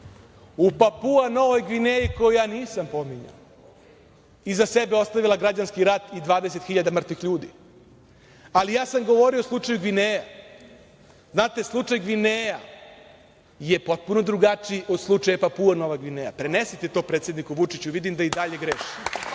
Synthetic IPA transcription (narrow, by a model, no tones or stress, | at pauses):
upapuano̞ʋojɡʋineiko̞jojaːniːsampo̞miɲa̰ | izasebeo̞st̪aʋilˠaɡɾad͡ʑanskiɾat̪id̪ʋaːd̪ese̞t̪xiʎad̪amr̩t̪ʋixʎuːd̪ḭ | alijaːsamɡoʋo̞ɾio̞slˠut͡ʂajuɡʋineja | znaːt̪e̞slˠut͡ʂajɡʋineja | jepo̞t̪̚puno̞d̪ɾuɡat͡ʂiʔo̞d̪slˠut͡ʂajapapuano̞ʋaɡʋineja̰pɾe̞nesit̪et̪o̞pɾet̪sjed̪nikuʋut͡ʂit͡ɕuʋid̪imd̪aid̪aʎe̞ɡɾeʃim